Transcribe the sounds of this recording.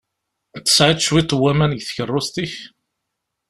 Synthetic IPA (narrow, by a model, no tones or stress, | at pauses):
t̪ːə̥sʕɪˤt͡ʃːwit̪ˤːwːæmænəɡθçərˤːʊst̪iç